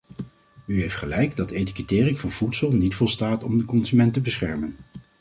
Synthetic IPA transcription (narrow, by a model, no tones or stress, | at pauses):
yɦejftχəlɛjɡdɑtejtikətɪːrɪŋvɑnv̥utsəlˠnitfɔlˠstaːtɔmdəkɔnzymɛntəbəsχɛɹmən